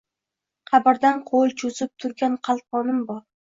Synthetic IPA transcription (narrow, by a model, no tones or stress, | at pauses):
qʰɑbɪɾd̪anqʰolˠt͡ʃʰozɪp̚t̪ʰʊɾɡʲanqʰɑl̚ˠqɒnɪmbɒɾ